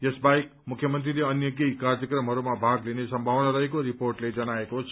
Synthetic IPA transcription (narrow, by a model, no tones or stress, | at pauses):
jʌsbajk | mukʰːjʌmʌnt̪rileʌnjʌkjʌjkardjʌkrʌmɦʌɾumabʱaɡlinesʌmbʱawnaɾʌɦekoɾiporʈled͡zʌnaekot͡sʰ